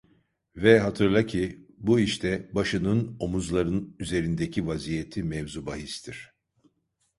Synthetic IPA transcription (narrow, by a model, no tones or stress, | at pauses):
vɛɦat̪ʰɯɾlˠacʰibuiʃt̪ʰɛbaʃɯnɯno̞muzlˠaɾɯnyze̞ɾind̪ecʰivazijet̪ʰimɛvzubaɦist̪ʰiɾ̥